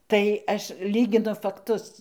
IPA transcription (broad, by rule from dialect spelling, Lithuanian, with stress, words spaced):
tɐɪ ˈɐʃ ˈlʲiːɡʲɪnʊ fɐkˈtʊs